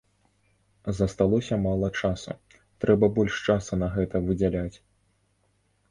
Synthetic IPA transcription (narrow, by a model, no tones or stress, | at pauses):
zɐst̪alˠɔsʲɐmalˠɐt͡ʂasṵ | t̪ɾɛbɐbɔlʲʂt͡ʂasunɐɣɛt̪ɐvɨd͡zʲalʲat͡sʲ